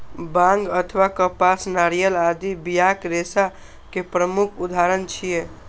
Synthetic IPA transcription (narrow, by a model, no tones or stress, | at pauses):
bãŋɡət̪ʰʋakəpasnaɾijəlad̪ibijakɾesa | kepɾəmukʰud̪aɾənt͡ʃʰije